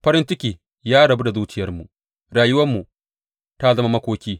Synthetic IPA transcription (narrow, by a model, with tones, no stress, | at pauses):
ɸɐ˦ɾɪ˦nt͡ʃɪ˦kʲiː˨ | jaː˦ɽɐ˨bu˦da˨zuː˦t͡ʃɪ˦jɐ˦rmu˨ʔ | ɽaː˨jʊ˦wɐ˦mːu˨ | ta˦zɐ˦ma˦mɐ˦kʷoː˦kʲiː˦